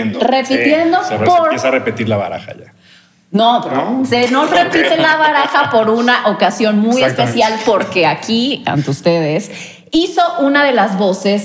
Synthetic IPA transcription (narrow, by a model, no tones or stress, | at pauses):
nrepit̪jend̪opoɾesarepet̪iɾlaβa̰ɾa̰xa̰ʝa̰ | nosenorepit̪elaβaɾaxapo̞ɾunaʔokasjo̞nmujespesjalpo̞ɾke̞akia̰nt̪eust̪eðes | iso̞ʔunaðe̞lazβo̞se̞s